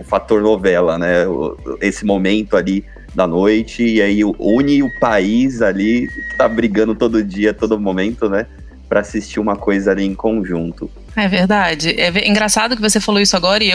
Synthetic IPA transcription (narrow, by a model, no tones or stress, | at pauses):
ʊfat̪oɾnovɛlɐnɛʊ̰esɪmomẽnt̪ʊali | d̪ɐnojt͡ʃɪːaiʊʔũɲɪʊpaizalikɪ̥t̪abɾiɡɐ̃nd̪ʊt̪od̪ʊʊd͡ʒiɐt̪od̪ʊmomẽnt̪ʊnɛ | pɾɐasist͡ʃiũmɐkojzɐaliẽkõʒũt̪ʊ | aɛveɾd̪ad͡ʒɪʔɛvĩɡɾasad̪ʊkɪvosefaloisʊaɡɔɾɐɪe